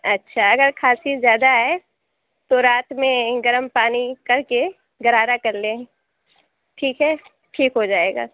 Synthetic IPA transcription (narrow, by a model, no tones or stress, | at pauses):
ɐtːʃʰaɐɡəɾkʰaːsizjaːd̪aɦɛ | t̪oɾaːt̪mẽɡɐɾəmpaːnikɐɾke | ɡɐɾaːɾakɐɾleɦɛ̃ | ʈʰiːkɦɛː | ʈʰiːkɦod͡ʒaːeːɡa̰ː